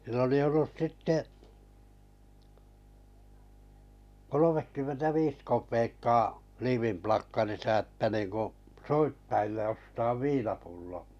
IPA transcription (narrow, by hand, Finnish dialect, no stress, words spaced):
silː oli olːus sitːe kolomekːymːentæ ʋiːs kopˑeːkːɑː liːʋimplɑkːɑrisɑ etːæ niːŋku soitːɑilːe ostɑːʋ ʋiːnɑpulːo